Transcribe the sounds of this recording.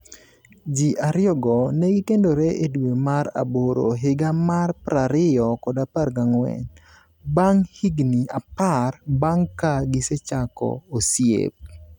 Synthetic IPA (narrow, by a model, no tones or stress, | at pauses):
d͡ʒiʔaɾjɔɡɔnɛɡikendoɾeʔedwemaɾa̰boɾo̰ɦɪɡamarpɾaɾɪɔkɔdaparɡaŋwɛ̰n | baŋhiɡniaparbaŋkaɡɪset͡ʃakɔ̰osjḛp̚